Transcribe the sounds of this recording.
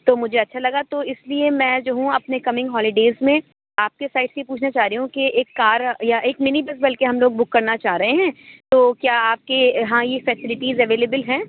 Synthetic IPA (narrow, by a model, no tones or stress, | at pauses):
t̪oːmʊd͡ʒʱeɐtːʃʰalɐɡat̪oɪsliemɛ̃ːd͡ʒoːɦũɐpnekɐmɪ̃ŋɡɦɔːlɪɖeːzmẽ | aːp̚kesaːɪʈseipuːt͡ʃʰnat͡ʃaːɾiɦũkeeːkːaːɾjaʔeːkmɪnibɪsbɐlkeɦɐmloːɡ̚bʊkːɐɾnat͡ʃaːɦɾɐɦeɦɛ̃ːt̪oːkjaːaːp̚keɦãjefɛːsɪlɪʈiːzɛʋeːleːbəlɦɛ̃ː